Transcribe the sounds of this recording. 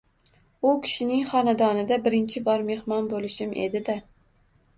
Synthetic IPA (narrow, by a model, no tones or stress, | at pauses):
ʊkʲʰɪ̥ʃɪnɪŋχɒnad̪ɒnɪd̪abɪɾɪnt͡ʃʰɪbɒɾme̞hmɒnbolɪʃɪmʔḛd̪ɪd̪a